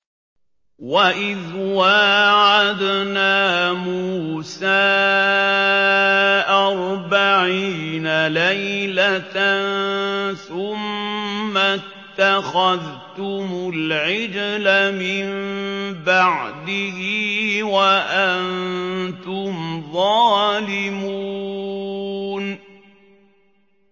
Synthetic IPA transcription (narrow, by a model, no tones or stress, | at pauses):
waʔɪðwaʕad̪naːmuuːsaː | ʔɑɾˤbaʕiːnalajlat̪anθʊmː | a | t̪ːaxaðt̪ʊmʊlʕɪd͡ʒlamɪmbaʕd̪ɪhiwaʔant̪ʊmðˤɑːlɪmuː | n